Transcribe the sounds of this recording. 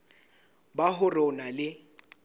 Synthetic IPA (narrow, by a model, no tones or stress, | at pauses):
baɦʊrɔnalɪ